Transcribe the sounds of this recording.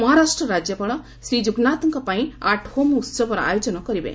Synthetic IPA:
mɔɦaɾasʈɾɔɾad͡ʒjɔpaɭɔ | sɾid͡ʒuɡnat̪ɔŋkɔpaĩaʈhomut̪sɔbɔɾɔa̰jod͡ʒɔnɔkɔɾibḛ

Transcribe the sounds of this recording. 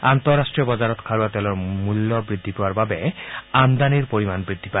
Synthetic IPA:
ant̪ɔɹːastɹiɔbɔzaɹɔtkʰaɹuatɛlɔɹmulːɔbɹid̪ʱːipɔwaɹbabɛand̪aniɹpoɹimanbɹid̪ʱipa

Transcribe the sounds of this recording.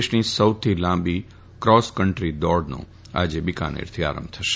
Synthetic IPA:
ʃnisəwt̪ʰilãmbi | kɾɔskəɳʈɾid̪ɔɽnõ̰ | a̰d͡ʒebika̰nḛɾt̪ʰia̰ɾə̰̃mbt̪ʰəʃe̥

